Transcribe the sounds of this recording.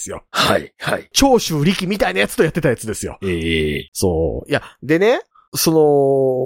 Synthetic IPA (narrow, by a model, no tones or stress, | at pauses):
sɨjo̞̰ha̰ḭha̰it͡ɕo̞ːɕɨːɾʲikʲimʲit̪ainajat͡sɨ̥t̪o̞jat̪ːe̞t̪ajat͡sɨd̪e̞sɨjo̞̰eːso̰ːjad̪e̞ne̞ | so̞no̞